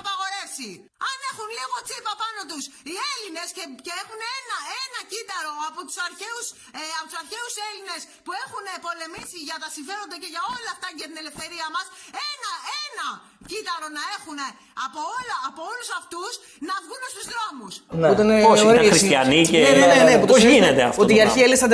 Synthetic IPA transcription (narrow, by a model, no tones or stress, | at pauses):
ɐpɐɣo̞ɾe̞si | ɐne̞xunliɣo̞t͡sipɐpɐno̞t̪usie̞line̞sceceexuneenɐenɐcit̪ɐɾo̞ɐpot̪u̥sɐɾçe̞us | ɐpot̪usɐɾçe̞use̞line̞s | pue̞xune̞po̞le̞misiʝɐt̪ɐsiɱfe̞ɾond̪ɐce̞ʝɐo̞lɐɐft̪ɐʝɐt̪ine̞le̞fθe̞ɾiɐmɐsenɐenɐ | cit̪ɐɾo̞nɐe̞xune̞ | ɐpoolɐːpoo̞lusɐft̪us | nɐvɣunest̪uzðɾo̞musnot̪eneosoɾisɐnieenenenepot̪inet̪eɐ̰ftot̪iɐɾçielsɐnd̪e